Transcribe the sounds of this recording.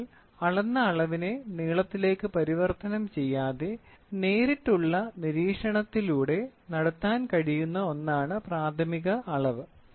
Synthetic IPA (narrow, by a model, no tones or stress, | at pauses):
l | ɐɭɐnːɐːɭɐʋine̞niːɭɐt̪ːile̞ːkːɨpɐɾiʋɐrt̪ɐnɐmt͡ɕe̞jːaːðe̞ne̞ːɾitːuɭːɐniɾiːkʂɐɳɐt̪ːiluːɽe̞nɐɽɐt̪ːaːnkɐɻijunːɐo̞nːaːɳɨpraːd̪ʱɐmiɣɐɐɭɐʋɨ